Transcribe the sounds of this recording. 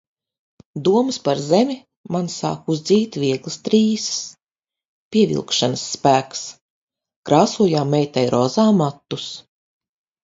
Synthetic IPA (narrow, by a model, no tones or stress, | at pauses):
d̪uɔmspaɾzemʲi | mansa̰ːkuzd̪ziːt̪ʲvʲiɛɡlˠst̪ɾiːss | pʲiɛvʲḭlˠkʃanəsːpæːks | kɾaːsuɔjaːmɛjt̪ajɾʔɔzaːmat̪ːus